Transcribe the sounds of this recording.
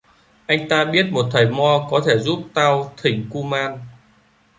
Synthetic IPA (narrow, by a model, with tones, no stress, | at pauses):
ʔa˧jŋ̟t̪aː˧ɓi˦˥ət̚mo˨˩t̚t̪ʰə˨˩jmɔ˧kɔ˨˦t̪ʰe˧˩zu˦˥p̚t̪aː˧wt̪ʰï˨˩ŋ̟ku˧maː˧n